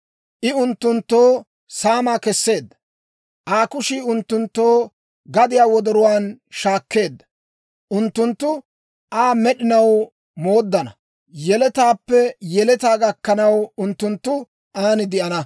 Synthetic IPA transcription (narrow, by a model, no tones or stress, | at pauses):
ʔɪʊnt̪ːʊnt̪ːoː | saːmaːkɛsːe̞ːd̪ːɐ̥ | ʔaːkʊʃiːʊnt̪ːʊnt̪ːoː | ɡɐd̪ɪjaːwɔd̪ɔɾʊwaːnʃaːkːe̞ːd̪ːɐ̥ | ʔʊnt̪ːʊnt̪ːʊ | ʔaːmɛɗɪnɐw | mo̞ːd̪ːɐnɐ | jɛlɛt̪aːpːɛjɛlɛt̪aːɡɐkːɐnɐwʊnt̪ːʊnt̪ːʊ | ʔaːnɪd̪ɪʔɐnɐ